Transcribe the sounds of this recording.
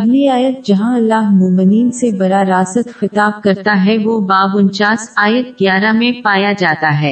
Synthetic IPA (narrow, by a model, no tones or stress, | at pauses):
ɐɦliaːjət̪̚d͡ʒɐɦãɐlːaːɦmʊɾmɪniːnsebɐɾaɾaːsət̪xɪt̪aːb̚kɐɾt̪aɦɛʋoːbaːbʊnt͡ʃaːsaːjət̪̚ɡjaːɾamẽpaːjad͡ʒaːt̪aɦɛː